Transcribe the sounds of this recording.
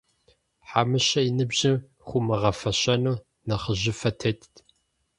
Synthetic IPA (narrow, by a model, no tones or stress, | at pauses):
ħamɨɕɐjɪnɨbʑɪ | χʷʊmɨʁɐfɐɕɐnuː | nɐχəʑɪfɐtʰeːtʰ